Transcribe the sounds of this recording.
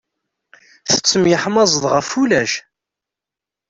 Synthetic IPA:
θə̥t͡sːəmjəħmɑzˤəðˤʁəfulæʃ

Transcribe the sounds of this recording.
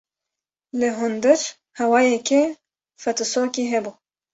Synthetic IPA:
lɨɦund̪ɨɾ | hɛwaːjɛkʰe | fɛt̪ɨsoːkiːɦɛbuː

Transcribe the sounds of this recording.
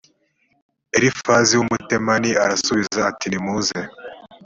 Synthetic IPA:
eɾifaziwumutemaniaɾasuβizzaːtinimuze

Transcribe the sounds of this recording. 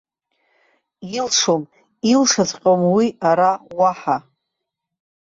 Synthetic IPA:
ilʂom | ilʂazqʲʼomwiaɾawaħa

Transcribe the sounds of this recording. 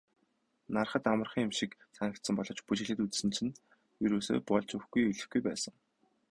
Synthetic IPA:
narχə̆t̪amə̆rχĭŋʊmʃĭksanə̆k̚t̪sə̆mpɔɮɞ̆t͡ɕput͡ɕɪ̆ɮɘ̆t̪ut͡ssɘ̆nt͡ɕʰɘ̆n | jɵɾuːso̰ːpɔɮt͡ɕuxɡujɵɮɘ̆xɡujpæːsə̆ŋ

